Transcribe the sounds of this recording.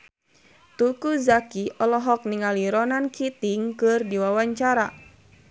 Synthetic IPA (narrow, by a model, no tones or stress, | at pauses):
t̪ukuzakiʔɔlɔɦɔk̚niŋaliɾɔnankʰit̪iŋkɨrdiwawaɲt͡ʃaɾa